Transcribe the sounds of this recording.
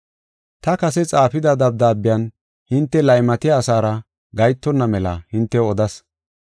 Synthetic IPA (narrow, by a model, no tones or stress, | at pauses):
t̪ɐkɐsɛt͡sʼaːfɪd̪ɐd̪ɐb̚d̪aːbːɪjan | hɪnt̪ːɛlɐjmɐt̪ɪjaːsaːɾɐ | ɡɐjt̪ːɔnːɐmɛlɐ̰hɪnt̪ːɛɔd̪ɐs